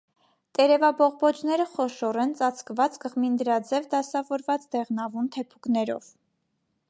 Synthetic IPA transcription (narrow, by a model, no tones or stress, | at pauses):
t̪ʼɛɾɛvɑbɔʁbɔt͡ʃnɛɾəχɔʃɔɾɛnt͡sɑt͡sʰkvɑt͡skəʁmind̪əɾɑd͡zɛvd̪ɑsɑvɔɾvɑt͡sd̪ɛʁnɑvunt̪ʰɛpʰu̥knɛɾɔ̰v